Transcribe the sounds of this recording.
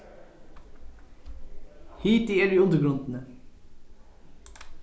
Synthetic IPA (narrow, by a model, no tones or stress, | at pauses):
hiːt̪iːæːɖiːʉnd̪əɾɡɾʉnd̪n̩ə